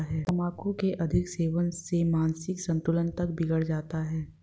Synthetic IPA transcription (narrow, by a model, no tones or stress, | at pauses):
ɦɛːɐmaːkõkeʔɐd̪ʱɪkseːʋənsemaːnsɪksɐ̃nt̪ʊlənt̪ɐk̚bɪɡəɽd͡ʒaːt̪aɦɛː